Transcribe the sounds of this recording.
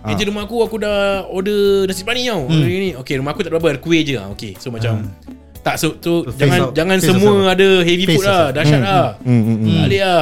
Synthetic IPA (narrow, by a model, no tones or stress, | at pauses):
ed͡ʒəɾumakuakudaodənasit̪̚panĩawodənĩokeɾumaakut̪aʔbabəadəkueʔ̚d͡ʒəa̰o̰kḛsomat͡ʃam | t̪aʔsosod͡ʒaŋãnnd͡ʒaŋãnsəmuəadəɦeviffut̪̚lahdaʃat̪̚la | a̰lea